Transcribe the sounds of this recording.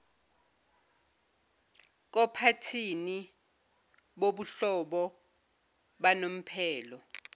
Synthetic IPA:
k̬ɔpʰatʰini | ɓoɓuɬɔɓɔ | ɓanom̩pʰɛːlɔ

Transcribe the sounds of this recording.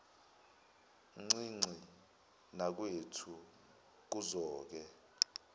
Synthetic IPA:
ŋ͡ǀiŋ͡ǀʱi | nak̬wetʰu | k̬uzɔːk̬ɛ

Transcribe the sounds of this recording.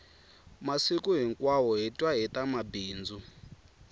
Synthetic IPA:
masikuɦiŋkʼwawɔɦitʼwaɦit̪ʼamabiːnd͡zu

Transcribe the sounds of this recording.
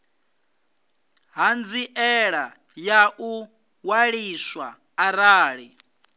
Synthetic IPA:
ɦand͡ziʔɛɺa | jaʔu | waɺiswaː | ɾaːɺi

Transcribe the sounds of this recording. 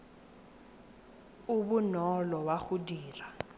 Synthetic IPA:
ubunɔlɔwaɣudiːra

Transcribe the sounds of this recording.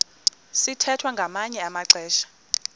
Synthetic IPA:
sitʰɛtʰwaŋɡʱamaɲɛamaǀɛːʃḁ

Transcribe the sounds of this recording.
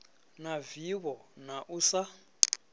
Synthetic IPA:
naviβɔnaʔusa

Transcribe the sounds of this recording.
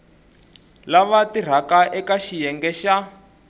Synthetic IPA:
laβatir̤akaʔɛkaʃijɛŋɡɛʃa

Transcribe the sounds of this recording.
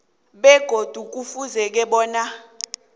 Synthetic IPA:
ɓɛɡ̥ʱod̥ʱuk̬ufuzɛk̬ɛɓɔːna

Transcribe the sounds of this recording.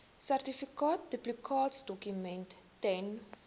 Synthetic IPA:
særtifikɑːt̚dəplikʰɑːtsdɔkymɛntːɛn

